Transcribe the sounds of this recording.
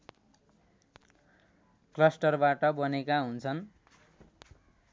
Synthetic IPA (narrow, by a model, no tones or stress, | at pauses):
klʌsʈʌrbaʈʌbʌnekaɦunt͡sʰʌn